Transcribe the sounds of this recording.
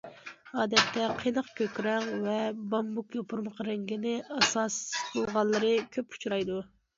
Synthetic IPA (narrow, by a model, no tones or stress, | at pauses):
ɑːd̪ɛt̪ʰːɛqʰəjnəqkʲʰøkʲɾɛŋvɛbɑmbukjopʰuɾməqɾɪŋɡʲinɪʔɑsɑsbolˠʁɑlˠːɨɾɨkʲʰøpu̥t͡ʃʰɾɑjd̪u